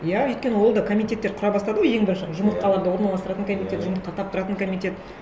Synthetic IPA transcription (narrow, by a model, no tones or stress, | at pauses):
jæɵjt̪kʲe̞nəwo̞lˠd̪ɑkʰomʲijt̪ʲe̞t̪ːe̞ɾqʰʊɾɑbɑst̪ɑd̪əwoje̞ŋbɪɾɪnʃʒʊmət̪̚qɑlˠɑɾd̪əwo̞ɾnɑlˠɑst̪ɾɑt̪əŋkʰomʲit̪ʲet̪ʒʊmət̪̚qɑt̪ʰɑp̚t̪ʰʊɾɑt̪əŋkʰomʲijt̪ʲe̞t̪